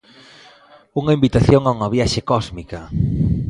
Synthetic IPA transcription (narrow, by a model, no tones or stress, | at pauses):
uŋɐimbit̪aθjoŋauŋɐβjaʃekɔzmikɐ